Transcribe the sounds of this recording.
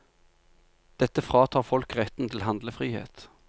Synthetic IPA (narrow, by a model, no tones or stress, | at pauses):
d̪̥ɛt̪ːəfʁɑːt̪ʰɑːʁfɔlkʁɛt̪n̩t̪ʰɪl̩ɦɑnd̪ləfʁiːhḛːt̪